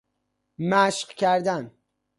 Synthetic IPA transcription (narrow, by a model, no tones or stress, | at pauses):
mæʃqcʰæɾd̪æn